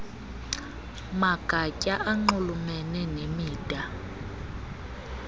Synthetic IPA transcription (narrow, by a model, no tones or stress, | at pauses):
maɡ̥ʱacʼaʔaŋ͡ǃulumɛnɛnemiːd̥ʱʼa